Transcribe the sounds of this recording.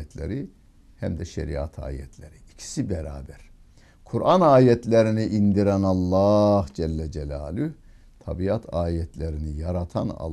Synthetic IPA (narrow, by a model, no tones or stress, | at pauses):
ɛt̪ʰlʲeɾi | hæmd̪ɛʃḛɾḭat̪ʰa̰ːjɛ̰t̪ʰlʲeɾiicʰi̥sibɛɾaːbæɾ̥ | kʰuɾʔanaːjɛt̪ʰlʲeɾiniʔind̪iɾænɑlˠːɑːhd͡ʒɛlːɛd͡ʒɛlʲaːlyh | t̪ʰabiat̪ʰaːjɛt̪ʰlʲeɾinijaɾat̪ʰa̰nɑ̰